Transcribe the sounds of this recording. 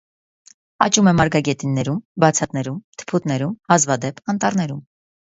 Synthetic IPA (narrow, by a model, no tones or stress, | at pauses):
ɑ̰t͡ʃumɛmɑɾɡɑɡɛt̪inːɛɾumbɑt͡sʰɑt̪nɛɾumt̪ʰə̥pʰut̪nɛɾumhɑzvɑd̪ɛpɑnt̪ɑɾnɛɾum